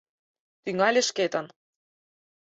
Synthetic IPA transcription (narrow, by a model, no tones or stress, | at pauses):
t̪yŋɑlʲĕʃket̪ɑn